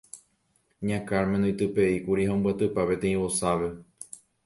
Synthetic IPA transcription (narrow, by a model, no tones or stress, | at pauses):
ɲãkaɾmẽnõĩt̪ɨpeikuɾiɦaõmbwat̪ɨpape̞t̪ẽĩβosaʋe̞